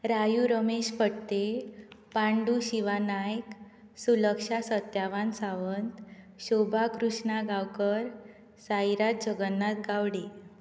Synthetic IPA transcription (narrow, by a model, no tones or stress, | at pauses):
ɾajuɾəmeɕfəɽt̪epãɳɖuɕiʋanajk | suləkʂasət̪jaʋansaʋənt̪ | ɕobʱakɾuʂɳaɡawkəɾ | sajɾat̪̚d͡ʑʱəɡənːat̪ɡaʋɽi